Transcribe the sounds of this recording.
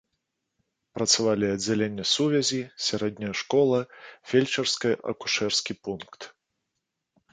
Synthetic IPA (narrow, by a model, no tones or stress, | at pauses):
pɾɐt̪savalʲiɐd͡zʲːalʲenʲːɐsuvʲɛzʲisʲaɾɛd̪̚ʲnʲɐjɐʂkɔlˠɐfʲelʲt͡ʂɐrskɐjɐʔɐ̰ku̥ʂɛrskʲipunkt̪